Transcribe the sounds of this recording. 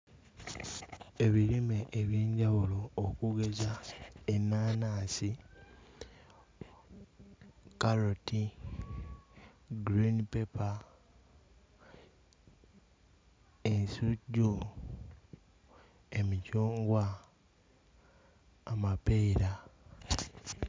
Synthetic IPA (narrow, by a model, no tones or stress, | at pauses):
e̞βiɾimeʔeβjiːɲɟawulo̞ːkuɡe̞zaenːaːnaːsi | kaloti | ɡɾinipepa | ensuɟu | e̞micuːŋɡwa | mapeiɾa